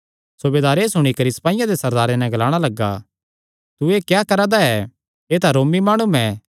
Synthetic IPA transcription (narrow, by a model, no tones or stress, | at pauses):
sʊbeːd̪aːɾeːsʊɽ̃ikɐɾisɐ̥paːɪjãd̪esɐɾd̪aːɾenɛ̃ɡɐlaːɽ̃alɐɡːa̰ | t̪ueːkjaːkɐɾad̪aɛ | eːt̪ʰaɾoːmimaːɽ̃umɛ̃